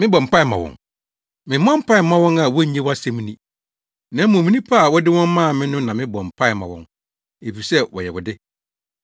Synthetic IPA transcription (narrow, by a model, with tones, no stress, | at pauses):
mɪ̃˦bɔ̃˨m̩˨pa˦ɪ˨mã̰˨wɔ̰̃˨ŋ | mɪ̃˨mã˦m̩˦pʰa˦ɪ˨mã˦wɔ̃˦na˨wɔ˦ɲẽ˦wɔ˦a˦sɛ˦mĩ˦nĩ˦ | nã˦mõ˨mĩ˦nĩ˦pʰa˦˨wɔ˦dɪ˦wɔ̃˦m˦mãː˦a˨mɪ̃˦nʊ̃˦nã˨mɪ̃˦bɔ̃˨m̩˨pʰa˦ɪ˨mã̰˨wɔ̰̃˦n | e˨fi˨sɛ˦wɔ̰˨jɛ˨wʊ˨dɪ˦